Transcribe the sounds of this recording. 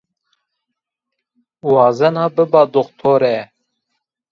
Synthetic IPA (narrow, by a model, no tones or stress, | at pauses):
wɑːzɛnɑːbɨbɑːd̪oxt̪ʰoːɾɛ